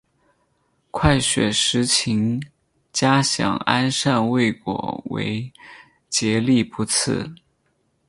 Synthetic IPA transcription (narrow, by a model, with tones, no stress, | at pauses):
kʰwa˥˩ɪɕɥɛ̰˨˩ʂɻ̩˧˥t͡ɕʰi˧˥ŋ | t͡ɕja˥ɕjɑ̰˨˩ŋa̰˥nʂa˥˧nwe˥˩ɪkwɔ̰˨˩wḛ˧˥ɪ | t͡ɕjɛ˧˥li˥˩pu˧˥t͡sʰɹ̩̰˥˩